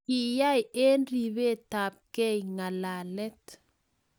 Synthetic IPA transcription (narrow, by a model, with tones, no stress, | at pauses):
i˨ja˦je˦nɾi˨βe˦ta˨p̚kɛ˦jŋa˨la˨lɛ˦t